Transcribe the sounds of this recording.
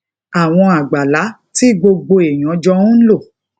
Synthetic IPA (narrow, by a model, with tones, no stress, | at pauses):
a˨w̃ɔ̃˧a˨ɡ͡ba˨la˨˦ | ti˦ɡ͡bo˧ɡ͡bo˧e˨j̃ɔ̃˨˦d͡ʒɔ̃˧˦n̩˦lo˦˨